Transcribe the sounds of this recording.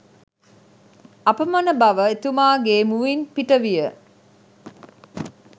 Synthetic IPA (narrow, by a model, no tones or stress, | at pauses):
ɐpəmɐnəbɐʋəet̪umaːɡeːmuʋinpiʈəʋijə